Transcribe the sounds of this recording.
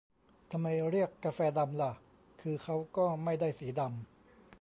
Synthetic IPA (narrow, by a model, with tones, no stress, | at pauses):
t̪ʰa˧mːa˧jɾi˥˩əkːa˧fɛː˧da˧mla˧˩ | kʰɯː˧kʰa˦˥wkɔː˥˩ma˥˩jda˥˩jsiː˩˦da˧m